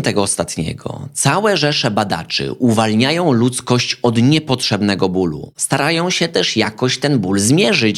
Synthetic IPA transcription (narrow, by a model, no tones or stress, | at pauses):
t̪ɛɡɔːst̪at̪ɲɛ̰ɡɔ̰t̪sawɛʐɛʂɛbad̪a̰t͡ʂɘ̰ʔuvalɲajɔ̃w̃lut̪skɔɕt͡ɕɔd̪ɲɛpɔtʂɛbnɛɡɔbulṵst̪aɾajɔ̃w̃ɕɛt̪ɛʂjakɔɕt̪ɛnbulzmʲjɛʐɘt͡ɕ